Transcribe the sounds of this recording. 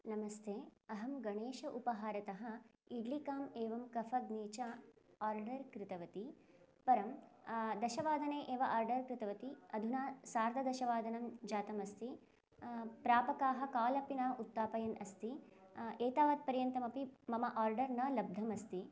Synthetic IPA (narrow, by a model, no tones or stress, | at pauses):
nɐmɐst̪ʰeːɐɦɐmɡɐɳeːʃɐʔupɐɦaːɾɐt̪ɐɦɐ̆iɖlikaːmeːʋɐmkɐfʰɐɡniːt͡ʃɐaːɾɖɐɾkɾɪt̪ɐʋɐt̪i | pɐɾɐmd̪ɐʃɐʋaːd̪ʱɐneːʔeːʋɐʔaːɾɖɐɾkɾɪt̪ɐʋɐt̪iɐd̪ʱunaːsaːɾd̪ʱɐd̪ɐʃɐʋaːd̪ʱɐnɐmd͡ʒaːt̪ɐmɐst̪i | pɾaːpɐkaːɦɐkaːlɐpinaːʔut̪ːaːpɐjɐnɐst̪ieːt̪aːʋaːd̪̚pɐɾjɐnt̪ɐmɐpimɐmɐʔaːɾɖɐɾnɐlɐb̚d̪ʱɐmɐst̪i